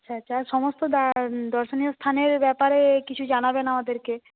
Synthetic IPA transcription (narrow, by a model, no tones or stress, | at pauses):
aɕʰaatːʃʰaɾʃɔmost̪od̪ad̪ɔɾʃoniost̪ʰaneɾbɛpaɾekit͡ɕʰud͡ʑanabenamad̪eɾke